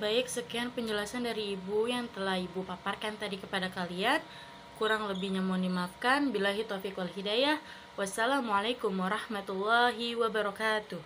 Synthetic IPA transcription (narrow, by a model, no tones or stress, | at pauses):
baɪksəkianpəɲd͡ʒəlasandaɾiːbujaŋt̪əlahibupaparkant̪adikəpadakalian | kuɾaŋləbɪhɲamondimafkanbilaɦit̪ofikwalɦidajah | wasalamualajkʊmwaɾɑhmat̪ulːaɦiwabaɾɔkat̪uh